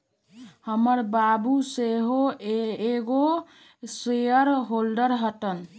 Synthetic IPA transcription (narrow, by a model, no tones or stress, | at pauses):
həməɾbabuseɦoeɡo | sejəɾɦolɖəɾɦəʈən